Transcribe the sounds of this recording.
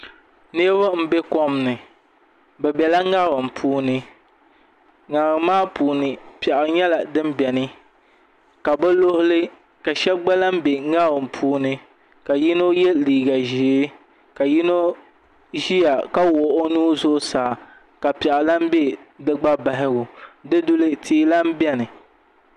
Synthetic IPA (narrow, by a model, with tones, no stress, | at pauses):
ne˦ba˦m̩˦be˦kɔ˦mnɨ˨ | bɛ˨bɛ˨la˦ŋa˦ɾɨ˨m˨pʰuː˦nɨ˦ | ŋa˨ɾɨ˨maː˦puː˨nɨ˨pɛ˨ʔɪ˨ɲɛ˦la˨dɨ˦m˦bɛ˨nɨ˦ | ka˨bɛ˦lo˦hʊ˦lɨ˦ | ka˨ʃɛ˦bɡ͡ba˦la˦m̩˦be˨ŋa˦bɨ˨m̩˨pʰuː˦nɨ˦ | ka˨ji˦no˦jɛ˦liː˨ɡa˨ʒi˨˦ | ka˨ji˦no˦ | ʒi˦ja˨ka˦wo˨ʔo˦nuː˦zʊ˦ʔsaː˨ | ka˨pɛ˨ʔɪ˨la˦m̩˦be˦dɨ˦ɡ͡ba˦ba˨ɦɪ˦ɡʊ˨dɨ˦dʊ˦lɨ˦tʰiː˦la˦m˦bɛ˦nɨ˨